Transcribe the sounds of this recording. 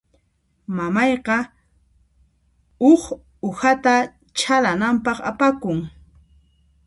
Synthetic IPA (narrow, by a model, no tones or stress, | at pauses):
mamɑjqɑ | ʊχ | ʊhat̪a | t͡ʃʰalanampɑχapakʊŋ